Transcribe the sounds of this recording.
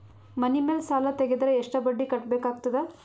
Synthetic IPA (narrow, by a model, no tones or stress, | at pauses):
mɐnimeːlsaːlɐt̪eɡed̪ɐɾeeʂʈɐbɐɖːikɐʈ̚beːkaːɡ̚t̪ɐd̪e